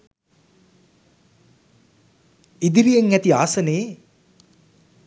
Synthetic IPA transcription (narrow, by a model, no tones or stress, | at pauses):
id̪iɾijeŋæt̪iaːsəneː